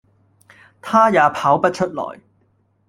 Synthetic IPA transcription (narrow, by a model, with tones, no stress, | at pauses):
t̪ʰaː˥jaː˨˧pʰaː˨˥wpɐ˥t̚t͡ʃʰɵ˥t̚lɔ̰ː˨˩j